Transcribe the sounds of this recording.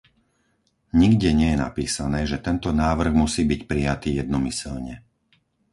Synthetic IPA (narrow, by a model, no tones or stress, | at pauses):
ɲiɡɟɛɲɪɛjɛna̰piːsanɛːʒɛt̪ɛnt̪ɔnaːʋr̩ɣmusiːbicpɾijat̪iːjɛd̪̚nɔmisɛlɲɛ